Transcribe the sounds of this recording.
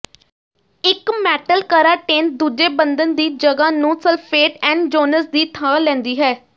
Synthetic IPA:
ɪkmɛːʈəlkəɾaːʈẽːn̚d̪uːd͡ʒeːbənd̪ənd̪iːd͡ʒəɡaːnũːsəlfʰeːʈɛ̃ːɳɖd͡ʒoːnəsd̪iːt̪ʰaːlɛ̃ːnd̪iːɦɛː

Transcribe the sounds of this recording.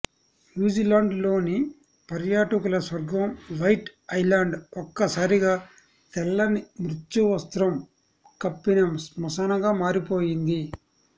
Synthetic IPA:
njuːd͡ʒilaːɳɖlo̞ːni | pɐɾjaːʈɐkulɐsʋɐɾɡʋɐmʋɐjʈɐjlaːɳɖɔkːɐsaːɾiɡaː | t̪ɛlːɐnimɾut͡ʃːuʋɐst̪ɾɐm | kɐpːinɐmsmɔsɐnɐɡaːmaːɾipo̞ːjind̪i

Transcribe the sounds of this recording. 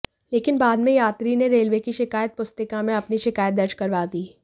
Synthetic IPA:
leːkɪnbaːd̪mẽjaːt̪ɾineɾeːlʋekiʃɪkaːjət̪̚pʊst̪ɪkamẽɐpniʃɪkaːjət̪̚d̪ɐɾt͡ʃkɐɾʋad̪iː

